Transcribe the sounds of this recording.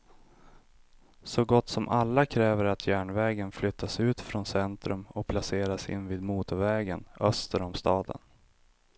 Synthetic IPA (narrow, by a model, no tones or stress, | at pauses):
sɔɡɔt̪ːsɔmʔalːakʰɾɛːvəɾat̪ʰjæːɳvɛːɡənflʏt̪ʰːasʉ̟ːt̪fɾɔnsɛnt̪ɾɵmɔpʰlaseːɾasɪ̰nːviːd̪muːt̪ʊɾvɛːɡənœst̪əɾɔmst̪ɑːd̪ə̰n